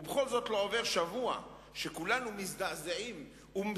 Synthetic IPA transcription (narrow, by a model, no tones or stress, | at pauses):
ubeχo̞lzo̞tlo̞ove̞ʁʃavua̰ | ʃekulanumisdazaim | um